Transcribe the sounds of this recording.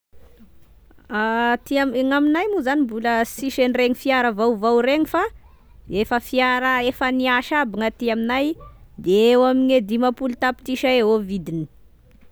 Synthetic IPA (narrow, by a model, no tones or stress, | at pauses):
at̪iaŋaminajmuzanibuləsiʃenireɲifiaɾəvawvawɾeŋifa | efəfiaɾəefəniaʃabiŋat̪iaminajd̪eewamined̪imapulit̪api̥t̪iʃaeɦovid̪ini̥